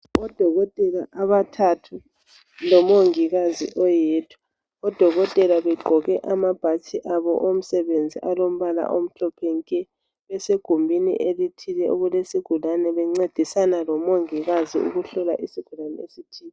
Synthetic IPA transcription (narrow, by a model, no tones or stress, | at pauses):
ɔd̥ʱɔɣɔtʼɛlaʔaβatʰatʰu | lɔmoŋiɣazḭʔɔjeːtʰu̥ | ɔd̥ʱɔɣɔtʼɛlaβɛɡ͡ǃʱɔɣɛʔamab̥ʱat͡ʃʰiʔaβɔ̰ʔom̩sɛβend͡zʱiʔalom̩βala̰ʔom̩ɬɔpʰɛŋkʼɛ | βɛseɡ̥ʱumbʱinḭʔelitʰilɛʔuɣulesiɡ̥ʱulanɛβɛŋ͡ǀed̥ʱisanalɔmoŋiɣazḭṵɣuɬɔla̰ʔisiɡ̥ʱulanɛ̰esitʰiːɛ